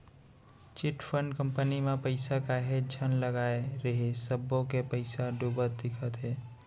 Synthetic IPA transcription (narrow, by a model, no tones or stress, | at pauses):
t͡ʃɪʈfʰəɳɖkə̃mpənimẽpəɪsakaɦed͡ʒʱənləɡaːeɾəɦesəbːõkepəɪsaɖubət̪̚d̪ɪkʰət̪ɦɛː